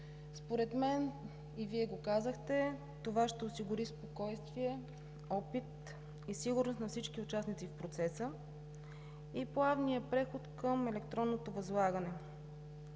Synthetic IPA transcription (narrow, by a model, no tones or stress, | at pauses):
spoɾɛt̪mɛn | iviɛɡokazəxt̪ɛ | t̪ovaʃt̪ɛosiɡʊɾispokɔjst̪viɛ | ɔpit̪̚ | isiɡʊɾnost̪nɐfsit͡ʃkiʊt͡ʃasnit̪sifpɾot̪sɛsə | iplˠavnijəpɾɛxot̪kəmɛlɛkt̪ɾɔnːot̪ovɐzlˠaɡənɛ